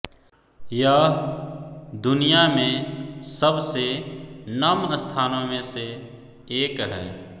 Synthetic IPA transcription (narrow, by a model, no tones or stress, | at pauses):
jə | d̪ʊnijamẽsəbsenəməst̪ʰaːnõmẽse | eːkɦɛ̰ː